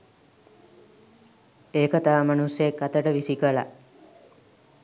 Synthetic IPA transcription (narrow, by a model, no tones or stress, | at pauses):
eːkət̪aːmanusjekːat̪əʈəʋisikəla̰